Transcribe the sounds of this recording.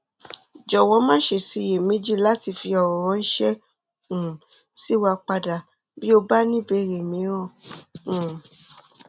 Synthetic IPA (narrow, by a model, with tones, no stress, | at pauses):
d͡ʒɔ˨w̃ɔ̃˨˧˦mãː˦ʃe˨si˧je˨mĩ˨˦d͡ʒi˦la˦ti˧˨fi˧ɔ˨ɾɔ̃˨˧˦n̩˦ʃɛ˦ | ũ˨ | si˦wa˧k͡pa˧da˨ | bi˦o˧ba˦nĩ˦be˧ɾe˨mĩ˨˦ɔ˦˨ũ˨